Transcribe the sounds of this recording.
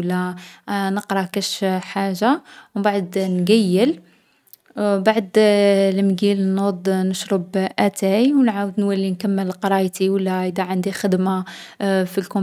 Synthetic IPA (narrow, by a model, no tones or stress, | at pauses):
lːænəqɾˤɑkæʃħaʒːawbaʕd̪nɡæjːəl | baʕd̪lmɡilnod̪ˤnəʃɾˤəbʔæt̪æjwnʕawəd̪nwælːinkæmːəlqɑɾˤɑjt̪iwəlːæʔəd̪æʕand̪ixəd̪ma | filkʊ